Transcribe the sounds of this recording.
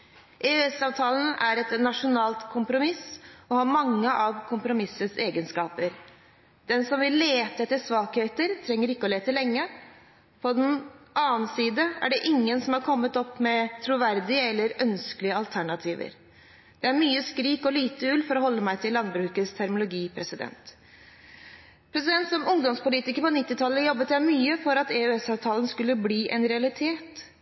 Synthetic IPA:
ʔɛøɛsɑːʋt̪ʰɑːlən̩æɾɛt̪nɑʂʊnɑːlt̪kʰʊmpɾʊmɪsɔhɑɾmɑŋːəʔɑʋkʰʊmpɾʊmɪsːəseːɡənskɑːpəɾ | d̪̥ɛnsɔmʋɪlːeːt̪əɛt̪ːəsʋɑːɡheːt̪əɾt̪ʰɾɛŋːəɾɪkːəɔleːt̪əlɛŋːə | pʰɔd̪ɛnʔɑːnsiːd̪əæ̰ɖɛʔɪŋːənsɔmhɑɾkʰɔmːət̪ɔpːmɛt̪ʰɾʊʋæɾd̪ɪəɛlːəɾœnsklɪəɑlt̪ʰæɳɑt̪ʰiːʋə̰ɾ | d̪̥ɛæɾmyːəskɾiːkɔliːt̪əʉlfɔɾɔhɔlːəmæɪt̪ʰɪlːɑnbɾʉːkəst̪ʰæɾmʊlʊɡiːpʰɾɛsɪd̪ɛ̰nt̪ | pʰɾɛsɪd̪ɛnt̪sɔmʊŋd̪ɔmspʊliːt̪ɪkəɾpɔnɪt̪ːɪt̪ʰɑlːəjɔbːət̪jæɪmyːəfɔɾɑt̪ɛøɛsɑʋt̪ʰɑːlənskʉlːəbliːʔɛ̰nɾɛɑlɪt̪ʰeːt̪

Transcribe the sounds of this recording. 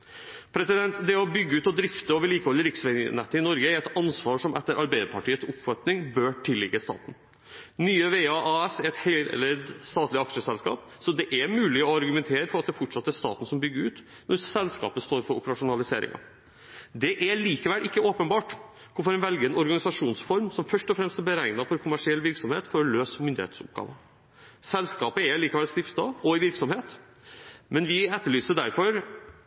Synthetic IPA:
pʰɾɛsɪd̪ɛnt̪d̪ɛɔbʏɡːəʉːt̪ɔd̪ɾɪft̪əoːʋəɭiːkəhɔlːəɾɪksʋɛnɛt̪ːəɪnɔɾɡəæɾɛt̪ɑnsʋɑːʂɔmʔɛt̪ːəɾʔɑɾbæɪd̪əpʰɑʈiːət̪sʊpfɑt̪nɪŋbøːʈʰɪlːɪɡːəst̪ɑ̰ːt̪n̩ | nyːəʋeːɑʔɑɛsɛɾɛt̪hɛ̰əɾd̪st̪ɑːt̪lɪɑkʂəsɛlskɑ̰ːp | sɔd̪ɛʔæmʉːlɪɔɑɾɡʉmɛnt̪ʰeːɾəfɔɾɑt̪̚d̪ɛfɔʈʂɑt̪ːəæʂt̪ɑ̰ːt̪n̩sɔmbʏɡəɾʉːt̪ | nɔɾsɛlskɑ̰ːpəst̪oːɾfɔɾʊ̰pəɾɑʂʊnɑlɪseːɾɪ̰ŋɑ̰ | d̪ɛʔæliːkəʋɛlʔɪkːəoːpənbɑːʈ | kʰɔfɔɾɛnʋɛlɡəɛnɔɾɡɑnɪsɑʂuːnsfɔɾmsɔmfœʂʈɔfɾɛmst̪æɾbəɾæɪnɑfɔɾkʰʊmæʂɪɛlːʋɪɾksɔmheːt̪fɔɾɔløːsmʏnd̪ɪhḛːt̪sʊ̰p̚ɡɑ̰ːʋə | sɛlskɑːpəɛliːkʋɛlst̪ɪft̪ɑɔɪʋɪɾksɔmheːt̪ | mɛnʋɪɛt̪ːəɭyːsəɖæɾfɔɾ

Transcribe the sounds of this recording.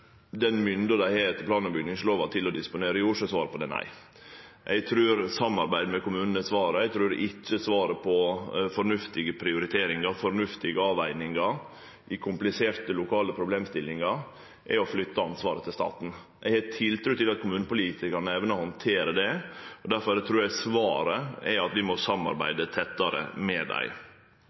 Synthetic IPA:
d̪ɛnmʏnd̪əd̪æɪheːɾt̪ʰɪplɑːnɔbʏɡ̪nɪŋsloːʋɑt̪ʰɪlɔd̪ɪspʊneːɾəʊʂəsʋɑːɾəpʰɔd̪ɛ̰ːnæ̰ɪ | ʔɛɡt̪ʰɾʉːɾsɑmːɑɾbæɪd̪mɛkʊmʉːnənəsʋɑːɾəɛɪt̪ʰɾʉːɾʔɪt͡ʃːəsʋɑːɾəpʰɔfɔɾnʉft̪ɪɡəpʰɾɪʊɾɪt̪ʰeːɾɪŋɑfɔɾnʉft̪ɪɡəɑːʋæɪnɪŋɑ | ʔɪkʰʊmplɪseːɾt̪əlʊkʰɑːləpʰɾʊbleːmst̪ɪlːɪŋɑɾ | ʔɛ̰ɔflʏt̪ːəɑnsʋɑːɾət̪ʰɪlst̪ɑ̰ːt̪n̩ | ʔɛ̰ɡhɛt̪ʰɪlt̪ʰɾʉt̪ɪlɑt̪̚kʰʊmʉːnəpʊliːt̪ɪkɑnəɛʋnəhɔnt̪ʰeːɾəd̪ɛɔd̪æɾfɔɾæt̪ʰɾʉːɾæsʋɑːɾəɛ̰ɑt̪ʋɪmɔsɑmːɑ̰ɾbæ̰ɪd̪ət̪ʰɛt̪ːɑɾə̰mɛd̪æ̰ɪ

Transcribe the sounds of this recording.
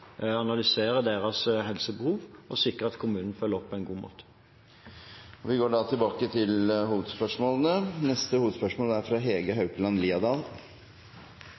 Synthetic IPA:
ɑnɑlʏseːɾəd̪eːɾɑsɦɛlsəbəhuːʋʔɔsɪkːəɑt̪kʰʊmʉːnən̩fœlːəɔpʰːɔɛnɡuːmo̰ːt̪ə̥ | ɔʋɪɡoːɖɑːt̪ʰɪlbɑːkət̪ʰɪlhuːʋəd̪spœʂmoːlənənɛst̪əhuːʋəd̪spœʂmoːlæɾfɾɑɦeːɡəɦɑʉklɑnliːɑd̪ɑːl

